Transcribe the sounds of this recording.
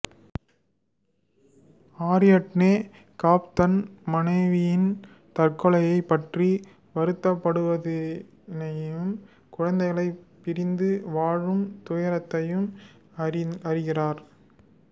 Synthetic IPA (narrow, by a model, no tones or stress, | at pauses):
aːɾɪjɐʈneː | kaːp̚t̪ɐnmɐnɐɪʋɪjɪn | t̪ɐrkɔɭɐjɐɪpːɐʈri | ʋɐɾɯt̪ːɐpːɐɽɯʋɐðɪ | nɐjɯm | kʊɻɐnd̪ɐɪɣɐɭɐɪpːɪɾɪnd̪ɯʋaːɻɯmt̪ʊjɐɾɐt̪ːɐjɯm | ɐɾɪɣɪraːɾ